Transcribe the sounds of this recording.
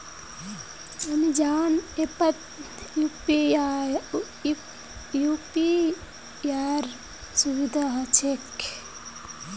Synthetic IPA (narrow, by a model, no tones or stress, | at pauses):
ɐmid͡ʒaːnepɐt̪ | jupia | jupi | aɾ | suʋid̪ʱaɦɐt͡ʃʰek